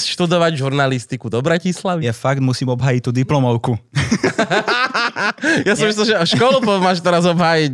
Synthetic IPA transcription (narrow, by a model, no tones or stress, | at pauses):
sʃt̪ud̪ɔʋaɟʒuɾnalist̪ikud̪ɔbɾacislaʋijɛfaɡt̪musiːmɔbɦaːjic̚t̪ːuːd̪iplɔmɔʊku | jasimislimʒɛɔʃkɔlpɔmaːʃt̪ɛɾazɔbɦaːjic